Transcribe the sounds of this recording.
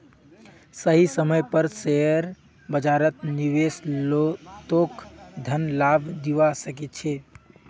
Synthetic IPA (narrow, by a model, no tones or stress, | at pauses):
səɦisəməjpəɾseɾ | bəd͡ʒaɾət̪niʋesot̪okd̪ʱənlabd̪iʋasəkɛt̪̚t͡ʃʰɛ